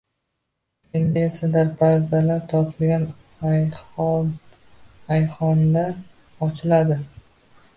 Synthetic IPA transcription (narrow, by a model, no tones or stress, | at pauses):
end̪ɪesad̪aɾpʰazd̪alaɾt̪ʰɒɾt̪ʰɪlɡʲan | ajχɒnd̪a | ɒt͡ʃʰɪlad̪ɪ